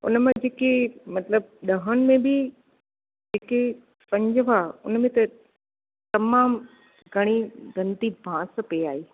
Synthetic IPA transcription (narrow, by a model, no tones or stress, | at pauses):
ʊ̰nmẽd͡ʑeːkemɐt̪ləb̚ɗɐɦəɽ̃ɪ̆mẽbɪ | d͡ʑeːke | pɐ̃ɲd͡ʑəʋaʊ̰nmẽt̪ɐ | t̪ɐmaːm | ɡʱɐɽ̃iɡɐ̃nt̪ibʱãːs̆peiaːɦeː